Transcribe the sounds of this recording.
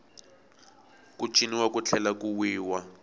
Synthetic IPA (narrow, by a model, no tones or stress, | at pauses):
kut͡ʃʼiniwakut͡ɬʰɛlakuwiːwa